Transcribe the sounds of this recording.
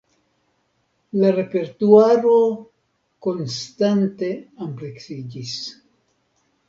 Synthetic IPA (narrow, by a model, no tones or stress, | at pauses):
laɾe̞pe̞ɾtuaɾo̞ | ko̞nstante̞ampɾeksid͡ʒis